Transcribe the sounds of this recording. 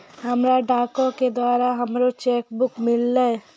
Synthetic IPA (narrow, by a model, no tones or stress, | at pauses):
ɦɐmɾaɖaːkõked̪waːɾaɦɐmɾot͡ʃeːkbʊkmɪlːa